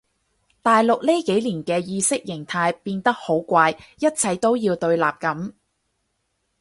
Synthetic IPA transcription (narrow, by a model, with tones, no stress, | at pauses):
t̪aː˨jlʊ˨k̚li˥ke˨˥jliː˨˩nkɛː˧jiː˧sɪ˥k̚jɪ˨˩ŋt̪ʰaː˧jpiː˧nt̪ɐ˥k̚ho˨˥wkʷaː˧jjɐ˥t̚t͡sʰɐ˨˧jt̪o˥wjiː˧wt̪ɵ˧ɥla̰ː˨p̚kɐ˨˥m